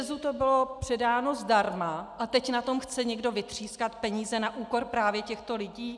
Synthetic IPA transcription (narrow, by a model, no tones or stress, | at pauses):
zut̪o̞bɪlopr̝̥ɛdaːno̞zdaɾmaʔat̪ɛcnat̪o̞mxt͡sɛɲɛɡdo̞vɪt̪r̝̥iːskat̪pɛɲiːzɛnaʔuːko̞ɾpɾaːvjɛcɛxt̪o̞lɪɟiː